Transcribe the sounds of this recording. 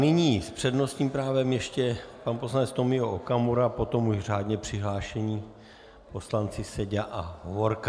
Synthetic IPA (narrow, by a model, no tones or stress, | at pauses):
nɪɲiːspr̥ɛdno̞st̪ɲiːmpɾaːvɛmjɛʃcɛpanposlanɛt͡st̪o̞mɪoʔokamuɾapo̞t̪o̞muʒr̝aːd̪ɲɛpr̝̥ɪɦlaːʃɛɲiː | po̞slant͡sɪsɛɟaʔaɦovoɾka